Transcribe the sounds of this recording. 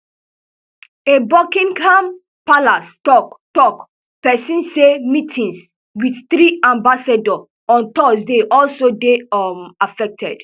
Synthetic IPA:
ebɔkĩŋkam | palastɔktɔk | pɛsĩnsemitʰĩns | widθɾiãmbasadɔ | ɔ̃ntɔsdeʔɔlsodemafɛk̚tʰɛ̰d̥

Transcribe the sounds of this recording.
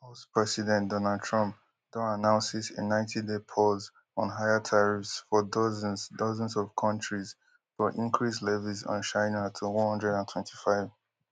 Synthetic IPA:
ospʰɹɛsidɛ̃ndɔnald̚tʰɹɔ̃mp̚ | d̥õanãʊ̃nsisḛnãɪ̃ntʰidepʰɔz | ɔ̃nɦaɪətʰaɹifsfɔdɔzɛ̃nzdɔzə̃nzɔv̥kʰʌ̃nt͡ʃɹiz | fɔʔĩŋkʰɹis̬lɛvizɔ̰̃nʃaɪnatʰuwʌ̃nhʌ̃ndɹɛɾãntʰwɛ̃ntʰifaɪv

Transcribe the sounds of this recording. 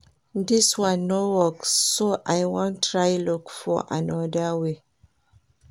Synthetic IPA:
diswãnːowɔkːoʔajwɔ̃ntʰɹajlɔkfɔ̰ʔã̰nɔdəwe

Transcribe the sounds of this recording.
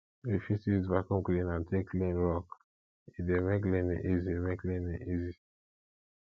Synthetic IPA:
ifisizbakɔ̃mklĩnãntʰeklĩnɹɔk | idemek̬lĩniʔiziemeklĩniʔizi

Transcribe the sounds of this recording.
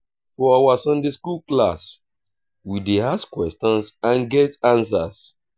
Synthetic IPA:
fɔawasɔ̃ndeskulklas | wideaskkwɛstɔ̃nsãnɡɛtãns̬as

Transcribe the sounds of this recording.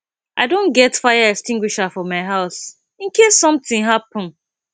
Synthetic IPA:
ʔaɪdõnɡɛtfaɪjaɛkstĩŋɡwiʃafɔmaɪɦaʊs | ĩnkesːɔ̃mθɪ̃ŋɦapə̃n

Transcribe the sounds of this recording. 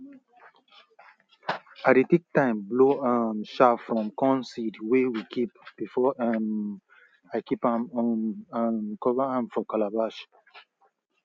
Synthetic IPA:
aɾitik̚tãɪ̃mbloanʃafɹɔ̃mkɔ̃nsidwewikʰip̚b̥ifɔan | aɪkipãmɔnãnkɔvaãmfɔkalabaʃ

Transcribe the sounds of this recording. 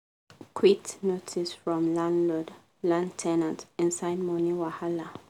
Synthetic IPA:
kʰwiktnotʰisfɹɔ̃mlãndlɔd | lãntʰɛnãntɪ̃nsaɪd̚mɔ̃niwahala

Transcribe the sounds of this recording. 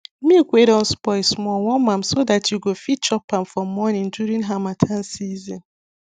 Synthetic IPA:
mikʷeɾɔ̃nspɔɪsmɔwɔmãmsodatjuɡofit̚t͡ʃɔpamfɾɔ̃mːɔnɪ̃ŋduɾĩŋɦamatʰansizĩn

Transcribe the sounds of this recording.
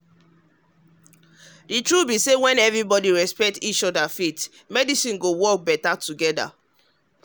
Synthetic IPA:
ditɹubisewɛ̃nɛvɹibɔdiɹɛspɛk̚tit͡ʃɔdafet | mɛdisĩnɡowɔk̚bɛtatuɡɛda̰

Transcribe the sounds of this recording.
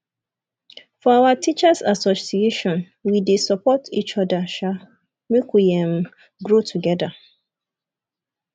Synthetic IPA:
fɔawatʰit͡ʃasasɔsieʃɔ̃n | widesɔpʰɔtḭt͡ʃɔdaʃa | mikʰiãm | ɡɹotʰuɡɛda

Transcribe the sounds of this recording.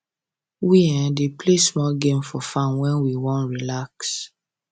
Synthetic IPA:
wiɛ̃deplesmɔlɡẽmfɔfãnwɛ̃nwiwɔ̃nɹilaks

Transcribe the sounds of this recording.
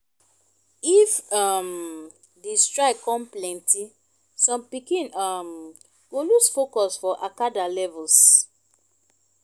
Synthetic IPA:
ifam | distɹaɪkɔ̃mplɛ̃nti | sɔ̃mpikĩnam | ɡolusfokɔsfɔʔakadalɛvuls

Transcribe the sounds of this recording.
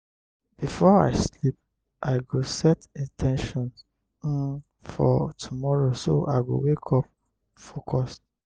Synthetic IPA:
b̥ifɔa̰ɪslip̚ | ʔaɪɡosɛtĩntʰɛ̃nʃɔ̃ns̩ | n | fɔ̰tʰumɔɹosoʔaɪɡo̰wekʰɔp̚ | fokʰɔs

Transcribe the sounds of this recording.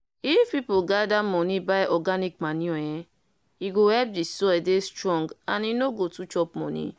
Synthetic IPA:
ifpipoɡadamɔnibajɔɡanikmaniɔjɛ | iɡowɛb̚d͡ʒisoɛdestɾɔ̃ŋɡaninoɡotut͡ʃɔpmɔ̰nḭ

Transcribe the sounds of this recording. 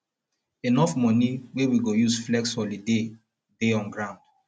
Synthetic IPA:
enɔfmɔniwewiɡojuzflɛksɔlide | deɔ̃nɡɹãʊ̃nd

